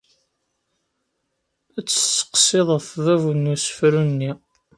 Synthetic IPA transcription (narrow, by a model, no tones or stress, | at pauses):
æt͡sːə̥t͡sːə̥qseðˤəθðævnːusə̥fɾunːi